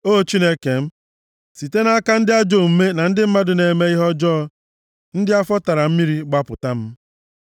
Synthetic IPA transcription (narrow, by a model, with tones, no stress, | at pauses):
o˦˨t͡ʃi˦ne˦ke˨m̩˦ | si˨te˦na˦ka˦n̩˦dɪ˦a˦d͡ʒo˦˨m̩˦me˦na˨n̩˦dɪ˦m̩˦ma˦dʊ˨ne˨me˦i˦ɦɔ˦d͡ʒɔː˦ɔ˦ | n̩˦dɪ˦a˦fɔ˦ta˨ɾa˨m̩˦mi˦ɾi˦ɡ͡ba˦pʊ̰˨ta˦m̩˦